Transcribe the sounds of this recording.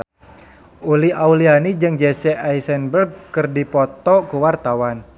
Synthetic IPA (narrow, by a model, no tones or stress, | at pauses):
ʔuliaulianid͡ʒɨŋd͡ʒɛsɛajsɛnbərɡ̚kɨrdipɔt̪ɔkuwart̪awan